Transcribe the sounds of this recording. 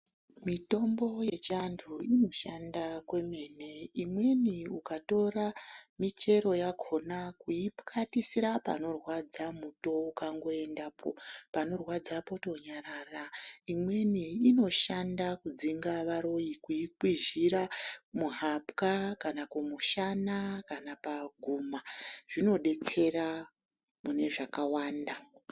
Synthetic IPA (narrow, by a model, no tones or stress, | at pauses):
mito̞mbo̞je̞t͡ʃandʰuino̞ʃandakwe̞me̞ːne̞imwe̞niukato̞ɾamit͡ʃe̞ɾo̞jaɡʱo̞nakuipkʰatisiɾapa̰no̞rwad͡zamuto̞ukaŋɡo̞e̞ndapʰo̰pano̞rwad͡zapo̞to̞ɲaraːraimwe̞niːno̞ʃandakud͡ziŋɡaʋaɾo̞jikuiǃwiʒiɾamuɦapkakanakumuʃanakanapaɡʱuːmaʐ̥ino̞ɗe̞kʰe̞ɾa | mune̞ʐakawaːnda